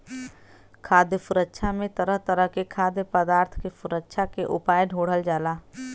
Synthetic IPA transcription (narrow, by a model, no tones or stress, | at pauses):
kʰaːd̪jəfʊɾəkːʃʰamẽt̪əɾəɦt̪əɾəɦkekʰaːd̪jəpəd̪aːɾt̪ʰkefʊɾəkːʃʰakeʔʊpaːjɖʱoːɽ̤əld͡ʒaːlaː